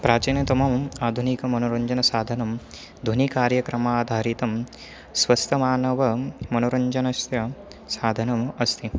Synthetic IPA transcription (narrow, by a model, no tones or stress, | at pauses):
pɾaːt͡ʃinjɐt̪ɐmɐmaːd̪ʱunikɐmɐnoɾɐɲd͡ʒɐnɐsaːd̪ʱɐnɐm | d̪ʱunikaːɾjɐkɾɐmaːd̪ʱaːɾit̪ɐm | sʋɐst̪ʰɐmaːnɐʋɐmɐnoɾɐɲd͡ʒɐnɐst̪jɐ | saːd̪ʱɐnɐmɐst̪ʰi